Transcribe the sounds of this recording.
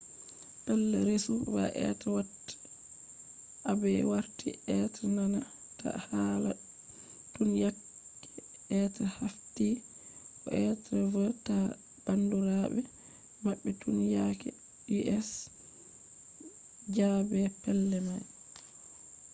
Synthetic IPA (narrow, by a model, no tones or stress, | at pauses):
pɛlːɛɾesuva̰ʔɛ̰twat | ʔabɛwaɾtiɛtanana | ta̰hala | tunjakː | ɛ | ɛtɾɛhafti | ʔɔʔɛtɾɛvata | b̥anduɾaɓɛ | maɓːɛtunjakɛ̰ | iʔɛs | d͡ʒabɛpɛlːɛmaj